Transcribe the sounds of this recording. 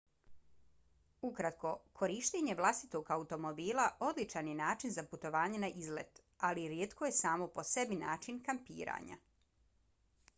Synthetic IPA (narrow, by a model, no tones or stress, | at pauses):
ukɾat̪ko̞kʰo̞ɾiʃt̪eɲe̞ʋlˠast̪it̪o̞ɡaut̪o̞mo̞biːlˠaʔo̞d̪lit͡ʃanjenaːt͡ʃinzaput̪o̞ʋaːɲenaʔizlḛt̪ | aliɾjeːt̪kʰoje̞saːmo̞po̞se̞binaːt͡ʃinkampḭːɾa̰ːɲa̰